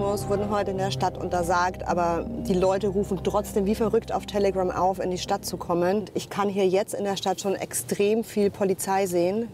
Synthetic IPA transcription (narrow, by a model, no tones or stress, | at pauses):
mosv̥ʊɐdn̩ɦɔʏtəɪndeːɐʃtatʔʊ̰ntɐzaːktʔa̰ːbɐd̥iːlɔʏtəʁuːfn̩tʁ̥ɔt͡sd̥eːmviːfɛɐʁʏkta̰ʊftʰeləɡʁamʔa̰ʊfɪndiːʃtat̚t͡sukʰɔmənntʔɪçkʰanɦiːɐjɛt͡stɪndeːɐʃtatʃoːnʔɛ̰kstʁ̥eːmfiːlpʰolit͡saɪzeːən